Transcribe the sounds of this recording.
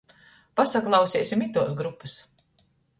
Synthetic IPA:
pasaklˠɑwsʲiɛːsʲimit̪uɔs̬ɡɾupːas

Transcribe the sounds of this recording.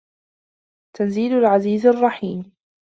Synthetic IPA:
t̪ʰanziːlʊlʕaziːzarˤːɑħiːm

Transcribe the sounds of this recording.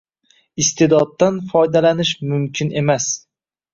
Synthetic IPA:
ɪst̪ʰed̪ɒd̪ːanfɒjd̪alanɪʃmʊmkʲʰɪne̞mas

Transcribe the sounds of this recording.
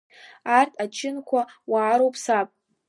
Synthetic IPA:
artʰʼat͡ʃʰɪnkʷʰawaːɾowpʼʰsapʼ

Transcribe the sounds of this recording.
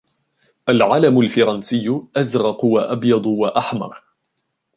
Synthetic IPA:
ʔalʕalamʊlfɑɾˤɑnsɪjːʊʔazɾɑqwaʔɑbjɑd̪ˤwaʔaħmɑ̰ɾˤ

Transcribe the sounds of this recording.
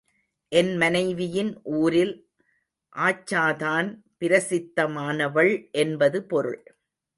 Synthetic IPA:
ʔɛnmɐnɐɪʋɪjɪnʔuːɾɪl | ʔaːt͡ʃːaːðaːnpɪɾɐsɪt̪ːɐmaːnɐʋɐɭʔɛnbɐðɯpɔɾɯ̰ɭ

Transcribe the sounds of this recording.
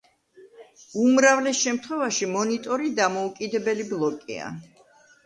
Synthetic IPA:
umɾavlɛsʃɛmt̪ʰχwɛvaʃimɔnit̪ʼɔɾid̪amɔukʼid̪ɛbɛliblˠɔkʼḭa̰

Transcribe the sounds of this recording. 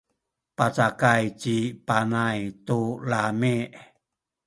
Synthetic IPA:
pat͡ʃakait͡ʃipanait̪ulameʔ

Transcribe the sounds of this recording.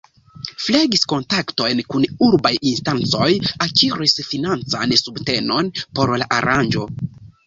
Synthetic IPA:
fleɡisko̞ntakto̞jnkunuɾbajinstant͡so̞jakiɾisfinant͡sa̰nsubte̞no̞npo̞ɾlaʔaɾand͡ʒo̞

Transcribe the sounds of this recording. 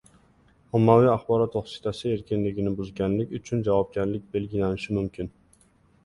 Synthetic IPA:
ɔmːawɪaχbɒɾɒt̪ːoχsɪ̥t̪ʰasɪe̞ɾkʲʰɪnlɪɡʲɪnɪbʊzɡʲanlɪkʲʊt͡ʃʰʊnd͡ʒavɒb̚ɡʲaɾlɪk̚ʲbe̞lɡʲɪlanɪʃɪmʊmkʲʰɪn

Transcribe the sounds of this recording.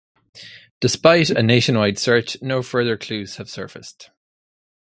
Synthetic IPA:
d̥ɪspaɪtəneɪʃə̃nwaɪd̥sɜ˞t͡ʃnoʊfɜ˞ðə˞kʰl̥ʉːz̥həv̥sɜ̰˞fɪst

